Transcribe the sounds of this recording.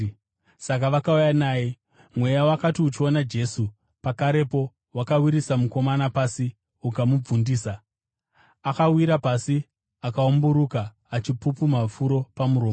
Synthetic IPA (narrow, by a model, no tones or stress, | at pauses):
sak̬aʋakaujanaːje | mwe̞jawakatiut͡ʃio̞nad͡ʒe̞su | pakaɾe̞po̞ | wakawiɾisamuko̞manapasi | ukamub͡vundiːsa | akawiɾapasi | akaombuɾukaː | t͡ʃipupumafuɾo̞pamuɾoːmo